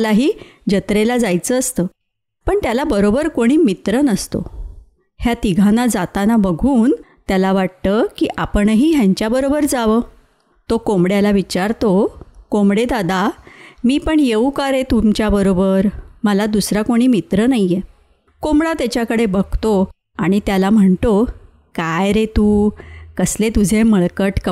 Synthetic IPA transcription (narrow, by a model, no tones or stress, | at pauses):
laɦiːd͡ʑət̪ɾelad͡zajt͡səːst̪əː | pəɳt̪jalabəɾobəɾkoɽ̃iːmit̪ɾənəst̪o̰ | hjat̪iɡʱanad͡zat̪anabəɡʱuːnt̪jalaʋaʈ̚t̪əkiʔapəɳɦiːɦjaɲt͡ɕjabəɾobəɾd͡zaʋəː | t̪okomɽjalaʋit͡ɕaɾt̪okomɽed̪ad̪ʱamiːpəɳjeukaɾet̪umt͡ɕjabəɾobəɾməlad̪usɾakoɽ̃iːmit̪ɾənaije | komɽat̪jat͡ɕjakəɽebəɡ̚ʱt̪o | aɽ̃it̪jalam̤əɳt̪o | kajɾet̪uːkəslet̪ud͡zʱeməɭkəʈk